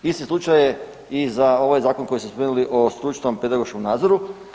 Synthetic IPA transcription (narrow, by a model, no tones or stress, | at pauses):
ist̪islˠut͡ʃaje | izao̞ʋajzaːko̞nko̞jisuspomenuliʔost̪ɾut͡ʃi̥t̪ompe̞d̪aɡo̞ʃkomnaːd̪zoɾu